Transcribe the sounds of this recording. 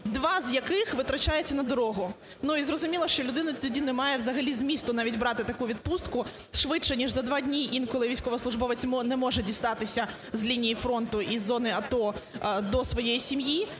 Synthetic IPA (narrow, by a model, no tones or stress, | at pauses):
d̪ʋɑzʲjɐkɪxʋɪt̪ɾɐt͡ʃajet͡sʲːɐnɐd̪ɔɾɔɦʊ | nuizrɔzʊmʲilˠɐʃt͡ʃɔlʲʊd̪ɪnɐt̪ɔdʲinɛmɑjɛwzɐɦɐlʲizmʲist̪ʊnɑʋʲitʲbɾɑt̪ɪt̪ɐkuʋʲid̪̚pust̪kʊ | ʃʋɪt͡ʃɛnʲiʐzɐd̪ʋɑdʲnʲiʔinkɔlˠɪʋʲijsʲkɔʋɐslˠʊʐbɔʋɪt͡sʲmnɛmɔʐɛdʲist̪ɑt̪ɪsʲɐ | zlʲinʲijifɾɔnt̪ʊʔizːɔnɪɐt̪ɔd̪ɔsʋɔjejisʲimji